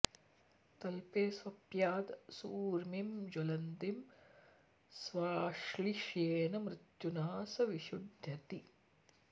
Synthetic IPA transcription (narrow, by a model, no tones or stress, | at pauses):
t̪ɐlpeːsʋɐpjaːd̪suːɾmimd͡ʒolɐnd̪im | sʋaːʂliʃeːnɐmɾɪt̪junaːsɐʋiʃud̪ʱjɐt̪i